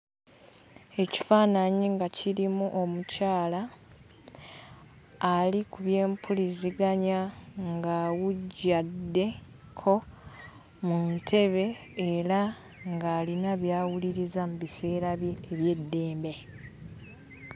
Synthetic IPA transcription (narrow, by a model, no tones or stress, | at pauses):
e̞ci̥faːnaɲiŋɡaciɾimuʔo̞mucaːla | likuβje̞ːmpʰuliziɡaɲaŋɡawuɟːadːe̞ | kʰo̞ | muntʰe̞βe̞ːɾa | ŋɡaːlinaβjaːwuliɾizamuβise̞ːɾaeβje̞dːe̞ːmbe̞